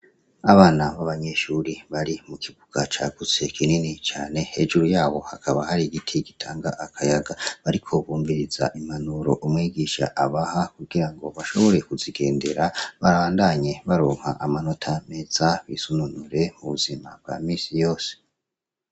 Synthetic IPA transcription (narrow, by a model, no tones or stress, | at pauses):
aβaːnaβaβaɲe̞ʃuɾiβaɾimukʰiɡuɡ̥at͡ʃaɡ̥ut͡se̞kʰininit͡ʃaːne̞he̞d͡ʒuɾujaːβo̞hakʰaβahaɾiɡitʰiɡitʰaːŋɡa̰ʔakʰajaɡaβaɾikʰo̞βuːmviɾiz̥a̰ʔimanuɾo̞̰ʔumŋiːɡiʃa̰ʔaβahakuɡiɾaŋɡo̞βaʃo̞βo̞ɾe̞kuziɡe̞̰ːnde̞ɾaβaɾaːndaɲe̞βaɾoːŋ̥ha̰ʔamano̞tʰame̞zaβisununuɾe̞muβuzima̰b̚ɡ̥a̰ːmiːsijo̞ːse̥